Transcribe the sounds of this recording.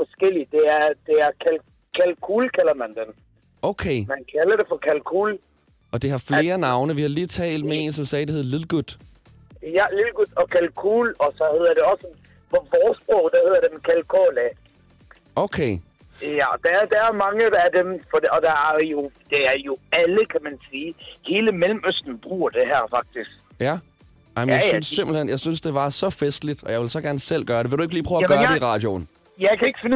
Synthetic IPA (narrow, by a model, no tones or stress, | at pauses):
fɒ̽sɡ̥el̰id̥e̝æɐd̥e̝æɐkʰæl | kʰælkʰuːlkʰælɐmænd̥en | oʊkʰeːmænkʰælɐd̥efɒkʰælkʰuːl | ɒ̽d̥iɦɑ̈fle̝ːɐnɑ̈ʊnəʋihɑ̈liːt͡sʰɛ̰ːld̥̚mee̝ːnsɒ̽msɛːd̥e̝he̝ð̰ˠlilɡ̥ud̥ | jælilɡ̥ud̥ɒ̽kʰælkʰuːlɒ̽sɒ̽he̝ð̞̰ˠɐd̥e̝ɒ̽sə | fɒbɒːsb̥ɔʊd̥æhe̝ð̞̰ˠɐd̥emkʰælkʰolæ | oʊkʰeɪ | jæd̥ææɐd̥ææɐmɑ̈ŋəæd̥emfɒdɒ̽d̥ææɐjo̝d̥eæɐjo̝æləkʰæmænsiːhe̝ːləmelm̩øsd̥n̩b̥ʁṵːɐd̥e̝ɦæɐ̰fɑ̈ɡ̥̚d̥isɡ̥ | jæ | ɑ̈ɪmənjasnssemb̥l̩henjɑ̈ɪsynsd̥e̝ʋɑ̈sɒ̽fesd̥lid̥ɒjɑ̈ɪʋe̝lsɒ̽ɡ̥æɐnəsel̰ɡ̥ɶːɐɾ̥eʋeldue̝ɡ̥əliːpʰʁœːʊæɡɶɐːɐ̥eiʁɑ̰̈ːd̥jo̝n | jɑ̈ɪkʰæe̝ɡ̥əfen